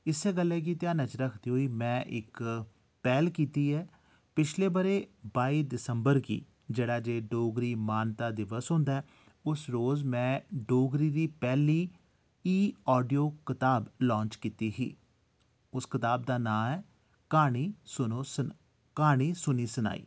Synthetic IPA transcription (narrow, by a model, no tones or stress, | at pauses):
ɪseːɡəlːeːk̬iːt̪ɪjaːnət͡ʃɾəkʰd̪iːɦoiːmɛ̃ːʔɪk | pɛːlkiːt̪iːɛː | pɪt͡ʃʰleːbəɾeːbaːiːd̪ɪsəmbəɾkḭː | d͡ʒeːɽaːd͡ʒeːɖoːɡɾiːmaːnt̪aːd̪ɪʋəsɦʊ̃ːnd̪aɛː | ʊsɾoːzmɛ̃ːɖoːɡɾiːɾiːpɛːliː | iːɔːɖijoːkɪt̪aːblɔ̃ːnt͡ʃkiːt̪iːɦḭː | ʊskɪt̪aːb̚d̪aːnãːmɛː | kaːɽ̃iːsʊnoː | kaːɽ̃iːsʊniːsʊna̰ːḭː